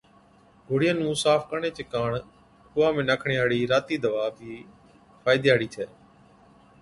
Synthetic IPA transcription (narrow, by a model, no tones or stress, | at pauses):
ɦʊɽɪjənũːsaːfkəɳeːt͡ʃeːkaːɳ | kʊʋaːmẽːnəkʰɳiaːɽiːɾaːt̪iːd̪əʋaːbiː | fʰaːɪd̪jaːɽiːt͡ʃ̪ʰɛː